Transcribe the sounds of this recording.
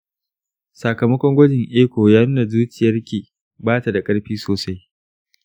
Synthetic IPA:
sa˨kɐ˨mɐ˦kʷɔ˦ŋɡʷɐ˦d͡ʒɪ˨ŋʔeː˦kʷoː˨jaː˦nuː˦na˨zuː˦t͡ʃɪ˨jɐ˦rkʲeː˨ | baː˦ta˨da˨kʼɐ˦ɽɸiː˦soː˨sa˦j

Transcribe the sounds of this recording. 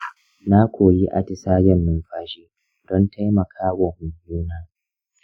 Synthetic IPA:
na˦kʷʰoː˨jiː˦ʔa̰˨tɪ˨saː˦ɡɛ˦nːʊ˦ŋɸaː˦ʃeː˦ | d̥ɔ˦nta˦jmɐ˨kʰaː˦wɔ˨mʊ˨ŋjuː˦naː˦

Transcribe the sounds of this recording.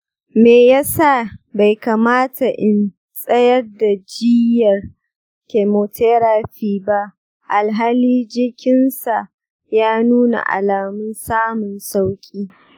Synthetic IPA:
meː˨ja˦sa˦˨ba˨jkaː˨maː˦tʰa˨ʔɪ˨n | sʼɐ˦jɐ˦rda˨d͡ʒɪ˦jɐ˨r | ke˨moː˨tʰe˦ɾaː˦ɸiː˦˨ba˦ʔ | ʔa˨lɦaː˦liː˦d͡ʒɪ˦kʲɪ˦nsa˨ʔ | jaː˦nuː˦na̰˨ʔa̰˨laː˨mʊ˦nsaː˦mʊ˨nsa˦wkʲʼiː˦

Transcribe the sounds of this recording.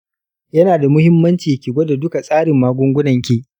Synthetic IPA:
jɐ˦naː˨da˨mʊ˦hɪ˦mːɐ˦nt͡ʃiː˨jkʲi˨ɡʷo˦da˨dʊ˦ka˨sʼaː˦ɾɪ˨mːaː˦ɡʷʊ˦ŋɡʷʊ˦nɐ˨ŋkʲeː˦ʔ

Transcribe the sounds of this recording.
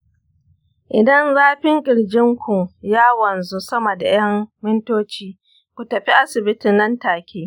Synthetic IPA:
ʔɪ˨dɐ˦nzaː˦ɸɪ˦ŋkʲʼɪ˨ɽd͡ʒɪ˦ŋkʷʊ˨ŋjaː˦wɐ˨nzu˦sɐ˦mɐ˨da˨j̰ɐ˦ŋmɪ˦ntoː˦t͡ʃiː˦ | kʷu˨tɐ˨ɸi˦ʔa˦sɪ˨bɪ˦tɪ˨nːɐ˦ntaː˨kʲʰeː˦

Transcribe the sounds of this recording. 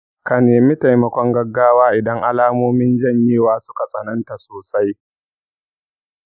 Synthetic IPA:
ka˨neː˨mi˦ta˨jmɐ˨kʷɔ˦ŋɡɐ˦ɡːaː˦waː˦ʔɪ˨dɐ˦ŋʔa˦laː˦moː˦mɪ˦nd͡ʒɐ˦˨ɲjeː˦waː˦sʊ̥˦ka˨sʼɐ̰˨nɐ˦nta˨soː˨sa˦j

